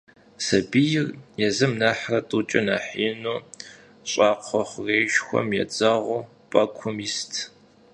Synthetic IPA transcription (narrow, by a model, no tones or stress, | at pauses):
sɐbijɪrjɛzɨmnaħrɐtʼut͡ʃʼɪnaːħiːnoː | ɕʼɑːqʷʰɔχʷreːʒxʷɔ̰mjɛ̰t͡sʼɐʁʷʊ | pʼɐkʷʰʊmiːstʰ